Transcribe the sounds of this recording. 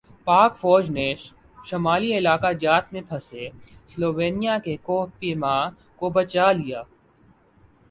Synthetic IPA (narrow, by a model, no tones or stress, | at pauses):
paːkfɔːd͡ʒneːʃ | ʃɐmaːliɪlaːkad͡ʒaːt̪mẽpʰɐsesloːʋeːnijakekoːɦpima | kobɐt͡ʃalɪjaː